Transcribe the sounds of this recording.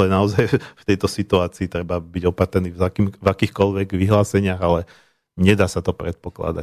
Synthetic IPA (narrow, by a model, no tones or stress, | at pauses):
lɛnaɔzajft̪ɛjt̪ɔsit̪uaːt͡siːt̪ɾɛbabiɟɔpat̪ɾniːakimvakiːxkɔlʋɛɡʋiɦlaːsɛɲɪaɣalɛ | ɲɛd̪aːsat̪ɔpɾɛt̪̚pɔkla̰d̪a̰